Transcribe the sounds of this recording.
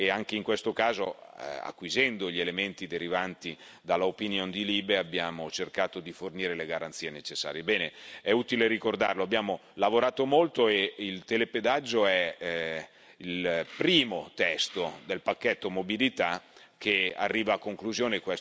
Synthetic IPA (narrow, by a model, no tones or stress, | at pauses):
eaŋk̟eiŋkwest̪okaːzoa̰kːwizɛnd̪oʎielement̪id̪eɾivant̪i | d̪alːaopinjond̪iliːbeabːjaːmot͡ʃerkaːt̪od̪iforniːɾeleɡaɾant̪siːenet͡ʃesːa̰ːɾjebɛːneɛut̪ileɾikord̪a̰rloabːjaːmolavoɾaːt̪omolt̪oeilt̪eleped̪ad͡ʒːoɛ | ilpɾiːmot̪ɛst̪od̪elpakːɛt̪ːomobilit̪a | k̟ea̰rːiːvaːkːoŋkluzjoːnekwɛ